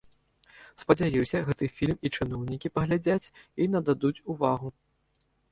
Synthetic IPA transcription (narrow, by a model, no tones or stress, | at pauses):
spɐd͡zʲajiwsʲɐɣɛt̪ɨfʲilʲmit͡ʂɨn̪ɔwnʲikʲipɐɣlʲad͡zʲat͡sʲinɐd̪ad̪ut͡sʲuvaɣu